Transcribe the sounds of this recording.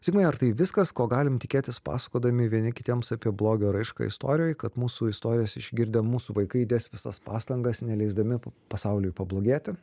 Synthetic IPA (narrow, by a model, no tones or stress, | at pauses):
sʲɪɡkmɐɪɐɾt̪ɐɪʋʲɪskɐskoːɡɑːlʲɪmt̪ʲɪkʲeːt̪ʲɪspɑ̰ːsɐ̥koːd̪ɐmʲɪʋʲiɛnʲɪkʲɪt̪ʲiɛmsɑpʲiɛblˠoːɡʲoːɾɐɪʃkɐ̰ɪ̰st̪o̰ːɾʲɪjoːjkɐt̪muːsuɪst̪oːɾʲɪjɛsɪʒ̥ʲɡʲɪɾʲd̪ʲɛmuːsuʋɐɪkɐɪd̪ʲeːsʲʋʲɪsɐ̰spɑ̰ːst̪ɐŋɡɐsnʲɛlʲɛɪzd̪ɐmʲɪpɐsɑʊlʲʊjpɐblˠoːɡʲeːt̪ʲɪ